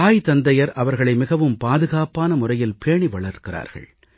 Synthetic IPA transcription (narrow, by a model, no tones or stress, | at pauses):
aːjt̪ɐnd̪ɐjɐɾʔɐʋɐɾɣɐɭɐɪmɪɣɐʋɯmpaːðɯɣaːpaːnɐmʊrɐjɪlpeːɳiʋɐɭɐɾkɪra̰ːɾɣɐ̰ɭ